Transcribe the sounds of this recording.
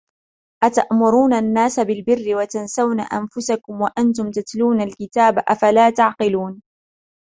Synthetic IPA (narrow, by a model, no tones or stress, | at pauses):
ʔat̪aʔmʊɾuːnanːaːsabɪlbɪrːɪwat̪ansawna̰ʔanfʊsakʊmwaʔant̪ʊmt̪at̪luːnalkɪt̪aːbʔafalaːt̪aʕqɪluːn